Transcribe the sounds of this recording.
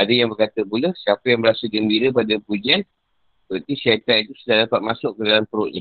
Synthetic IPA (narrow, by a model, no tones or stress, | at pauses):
adəjaŋbərkat̪əpuləsiapəjaŋbəɾasalɡəmbiɾəpadapud͡ʒian | əpərt̪isat̪at̪it̪usudahdapat̪̚masʊʔ̚kədalampəɾʊʔɲa